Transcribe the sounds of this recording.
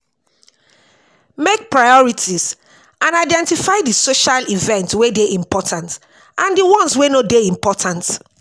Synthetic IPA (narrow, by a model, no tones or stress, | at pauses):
mek̚pɹajɔɹitʰiz | ãnaɪdɛ̃ntifaɪdisoʃalivɛ̃ntwedeʔĩmpʰɔtʰãnt | ʔãndiwɔ̃nswenodeĩmpɔtʰãnt